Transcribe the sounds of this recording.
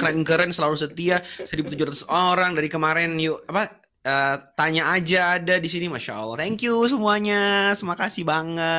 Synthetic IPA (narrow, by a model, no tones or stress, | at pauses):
kənaiŋkəɾɛnsəlalusət̪iasəɾibut̪ud͡ʒuɾat̪usoɾaŋdaɾikəmaɾɛnjuapa | əːt̪aɲaːd͡ʒaːdadisinimaʃa̰ʔə̰lːaht̪ɛŋkjus̬əmuaɲasumakasɪhbaŋə